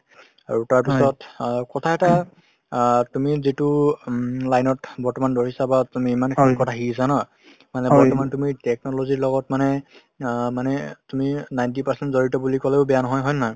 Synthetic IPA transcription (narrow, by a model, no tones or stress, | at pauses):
a̰ɹutaɹpisɔtkɔtʰaɛta | tumizitu | lajnɔtbɔɹtɔmandoɹisabatumiːmankʰalkɔtʰaɦisanɔ | manɛbɔɹtɔmantumitɛk̚nɔloziɹlɔɡɔtmanɛ | manɛtuminajntipaɹsɛntzoɹitɔbulikɔlɛʊbɛjanɔɦɔjɦɔjna